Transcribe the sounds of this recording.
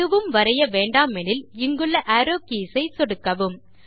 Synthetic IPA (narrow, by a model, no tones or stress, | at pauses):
ɯʋɯmʋɐɾɐjɐʋeːɳɖaːmɛnɪlɪŋɡɯɭːɐʔɐːɾoːkiːsɐɪsɔɽɯkːɐʋɯm